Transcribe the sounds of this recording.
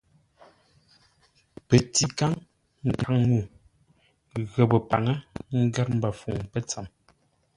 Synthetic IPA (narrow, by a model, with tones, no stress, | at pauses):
pe˨ti˨ka˦ŋ | ŋ̩˨ka˨ŋŋu˦˨ | ɣə˨bə˨pa̰˨ŋə˦ŋ̩˦ɡa˦t̚m̩˦ba˨fu˨ŋpə˦t͡sa˨m